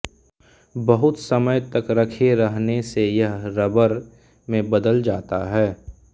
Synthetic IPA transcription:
bɐɦʊt̪sɐməjt̪ɐkɾɐkʰeɾɐɦnesejɐɦɾɐbəɾ | mẽbɐd̪əld͡ʒaːt̪aɦɛː

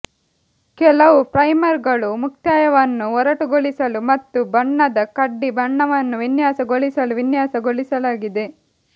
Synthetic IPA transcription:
kɛlɐʋupɾɐjmɐɾɡɐɭumuk̚t̪jaːjɐʋɐnːuɦɔɾɐʈuɡoɭisɐlumɐt̪ːubɐɳːɐd̪ɐkɐɖːibɐɳːɐʋɐnːuʋinjaːsɐɡoɭisɐluʋinjaːsɐɡoɭisɐlaːɡid̪e̞

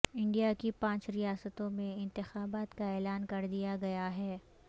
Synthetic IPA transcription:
ɪ̃ɳɖijakipãːt͡ʃɾijaːsət̪õmẽɪ̃nt̪ɪxaːbaːt̪kaɛːlaːnkɐɾd̪ijaɡɐjaɦɛː

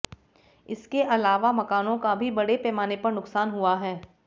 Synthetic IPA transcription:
ɪskeʔɐlaːʋamɐkaːnõkabʱibɐɽepɛːmaːnepɐɾnʊksaːnɦuaɦɛː

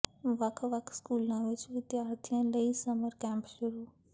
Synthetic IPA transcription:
ʋɐkʰʋɐkʰskuːlãʋɪt͡ʃʋɪd̪jaːɾt̪ʰijãləisəməɾkɛ̃ːmpʃʊɾuː

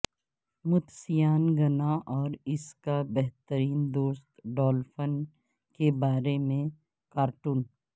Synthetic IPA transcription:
mʊt̪sijaːnɡɐnaʔɔːɾɪskabɛɦt̪əɾiːnd̪oːst̪ɖɔːlfən | kebaːɾemẽ | kaːɾʈuːn

